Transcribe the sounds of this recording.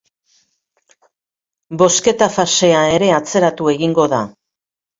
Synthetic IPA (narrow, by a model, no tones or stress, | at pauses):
bo̞ske̞t̪afase̞aeɾe̞at͡se̞ɾat̪ue̞ɣiŋɡo̞ða